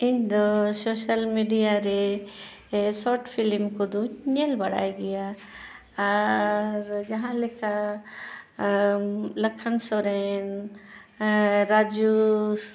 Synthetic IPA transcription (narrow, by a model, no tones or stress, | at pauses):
ɪ̃nd̪osoːʃəlmiɖijaɾe | soːʈpʰilimkod̪uɲelbɐɽa̰ːeɡija | ɾd͡ʒɐɦãlekʰa | lɐkʰːənsoɾen | ɾaːd͡ʒu